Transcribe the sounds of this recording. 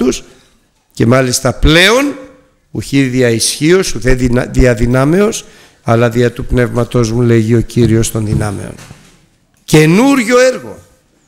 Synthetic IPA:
us | ce̞mɐlist̪ɐple̞o̞n | uçiðiɐisçio̞suðeðiɐðinɐme̞o̞s | ɐlɐðiɐt̪upne̞vmɐt̪o̞zmule̞ʝio̞ciɾio̞st̪o̞nðinɐme̞̰o̰n | ce̞nuɾʝo̞eɾɣo̰

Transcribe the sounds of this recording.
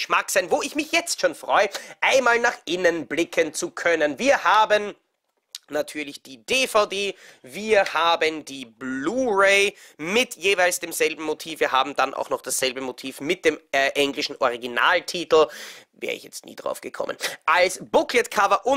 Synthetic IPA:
ʃmaksaɪnvoːɪçmɪçjɛt͡stʃoːnfʁ̥ɔʏəʔaɪnmaːlnaːχʔɪnənblɪkʰənt͡sukʰœnənviːɐhaːbən | natʰyːɐlɪçd̥iːd̥eːfaʊdeːviːɐhaːbəndiːbuːʁeɪmɪtʰjeːvaɪlsd̥eːmz̥ɛlbm̩motʰiːfviːɐɦa̰ːbm̩d̥anʔa̰ʊxnɔχd̥asz̥ɛlbəmotʰiːfmɪt̚d̥eːmʔɛŋlɪʃn̩ʔɔʁiɡina̰ːltʰiːtl̩vɛ̰ːɐə̰ɪ̰çjɛ̰t͡stnḭːdʁa̰ʊfɡ̥əkʰɔ̰mʔə̰nʔalsb̥ʊklətkʰavɐʔʊ

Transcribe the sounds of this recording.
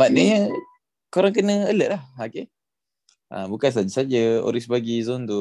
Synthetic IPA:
baʔnəɲə | koɾaŋkənə̃ələʔlahake | ʔa̰bukans̬ad͡ʒasad͡ʒao̰ɾisbaɡizɔnt̪u

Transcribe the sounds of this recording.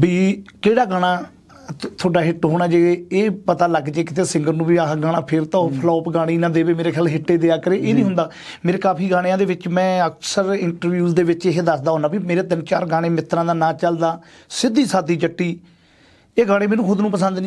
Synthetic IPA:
biːkeːɽaːɡaːɽ̃aː | t̪ʰoːɖaːɦɪʈɦoːɽ̃aːd͡ʒeːeːpət̪aːləɡd͡ʒeːkɪ̥t̪eːsɪ̃ŋɡəɾnũːbiːaɡaːɽ̃ãːpʰɪɾt̪ãːpʰəlɔːpɡaːɽ̃eːnãːd̪eːʋeːmeːɾeːkʰjaːlɦɪʈːeːd̪eːaːkəɾeːʔeːnĩːɦʊ̃nd̪aː | meːɾeːkaːpʰiːɡaːɽ̃ejãːd̪eːʋɪt͡ʃmɛ̃ːəksəɾɪɳʈəɾʋjuːzd̪eːʋɪt͡ʃeɦed̪əsd̪aːoːnaːbimeːɾeːt̪ənt͡ʃaːɾɡaːɽ̃eːmɪt̪ːɾãːd̪aːnãːt͡ʃəld̪aː | sɪd̪ːiːsaːd̪iːd͡ʒəʈːiː | eːɡãːɽẽːmɛːnũːkʰʊd̪nũːpəsə̃nd̪nĩː

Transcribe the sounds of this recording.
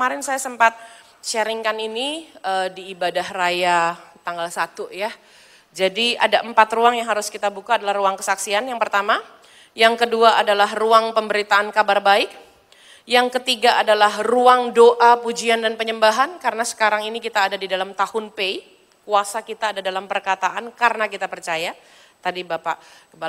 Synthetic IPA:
maɾɪnsajasəmpat̪̚ | ʃəɾiŋkaniniədiːbadahrajat̪aŋɡalsat̪uja | d͡ʒadia̰daʔəmpat̪ruaŋjaŋɦaɾʊskit̪abukaːdalahruaŋkəsaksianjaŋpərt̪ama | jaŋkəduaʔadalaɦruaŋpəmbəɾit̪aːnkabarbaɪk̚ | jaŋkət̪iɡaʔadalahruaŋdoʔapud͡ʒiandanpəɲəmbaɦankaɾənasə̥kaɾaŋinikit̪aːdadidalamt̪ahʊnpei | kuasakit̪aːdadalampərkat̪aʔankaɾənakit̪apərt͡ʃaja | t̪adibapakəba

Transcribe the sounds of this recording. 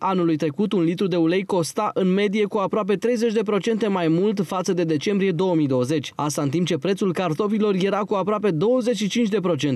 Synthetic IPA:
anulujt̪ɾe̞kut̪unlit̪ɾud̪e̞ule̞jko̞st̪aʔɨnme̞d̪ije̞kuapɾoap̬e̞t̪ɾe̞jze̞t͡ʃʲd̪e̞pɾo̞t͡ʃe̞nt̪e̞majmult̪fat̪səd̪e̞d̪e̞t͡ʃe̞mbɾije̞d̪o̞wəmijd̪o̞wəze̞t͡ʃʲast̪aɨnt̪imp̚t͡ʃe̞pɾet̪sulkart̪o̞pilo̞rje̞ɾakuapɾoap̬e̞d̪o̞wəze̞tʃit͡ʃint͡ʃʲd̪e̞pɾo̞t͡ʃe̞nt̪e

